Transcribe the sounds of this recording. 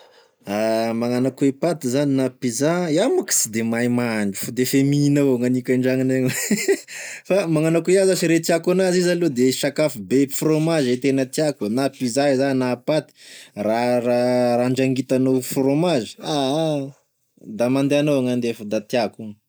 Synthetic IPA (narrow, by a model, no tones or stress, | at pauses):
amaŋanakuepat̪izaninapizaiamaki̥sid̪emajmaɳɖ͡ʐufud̪efeminawaŋanikʲaɳɖ͡ʐaŋineŋ | famaŋanakueazasiɾet̪iakunazizalod̪eʃakafubefromazet̪enət̪iakunapizaezanapat̪i̥raraɾaɳd͡ʒaŋɡit̪anowfromazi̥a | d̪amand̪eanowaŋand̪efd̪at̪iaku